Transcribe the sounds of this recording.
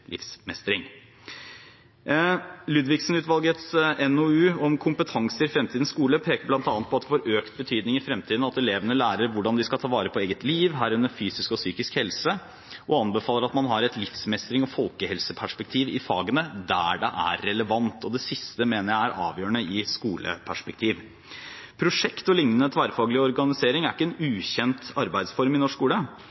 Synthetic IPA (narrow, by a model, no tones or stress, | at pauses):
lɪ̰fsmɛst̪ɾɪŋ | lʉːd̪ʋɪksn̩ʉːt̪ʋɑlɡət̪sɛnoʉːɔmkʰʊmpət̪ʰɑŋsəɾɪfɾɛmt̪ʰiːd̪n̩skuːləpʰeːkəblɑnt̪ɑːnət̪̚pɔɑt̪̚d̪ɛfoːɾøːkt̪̚bət̪ʰyːd̪nɪŋɪfɾɛmt̪ʰiːd̪n̩ɑt̪ɛleːʋənəlæːɾəɾʋʊɖɑnd̪ɪskɑlt̪ʰɑːʋɑːɾəpʰɔeːɡət̪liːʋɦæːɾʉnːəɾfyːsɪskɔsyːkɪskhɛlsə | ʔɔɑnbəfɑːləɾɑt̪mɑnɦɑɾɛt̪lɪfsmɛst̪ɾɪŋɔfɔlkəhɛlsəpʰæʂpɛk̚t̪ʰiːʋɪfɑːɡənəd̪æɖɛʔæɾːɛləʋɑnt̪ʰɔd̪ɛsɪst̪əmeːnəɾjæɪæɾʔɑ̰ːʋjøːəɳəɪskuːlə̰pʰæʂpɛk̚t̪ʰiːʋ | pʰɾʊʂɛkt̪ɔlɪŋnənət̪ʰʋæːɾəfɑːɡəlɪəɔɾɡɑnɪseːɾɪŋæɾɪkːəɛnʉːçɛnt̪ɑɾbæɪd̪sfɔɾmɪnɔʂkuːlə